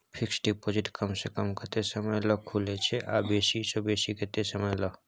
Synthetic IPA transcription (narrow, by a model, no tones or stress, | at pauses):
pʰɪksʈipod͡ʒɪʈkəmsekəmkəɾt̪esəməjlɔkʰulet͡ʃʰeʔabeːsisobeːsikət̪esəməjlɔ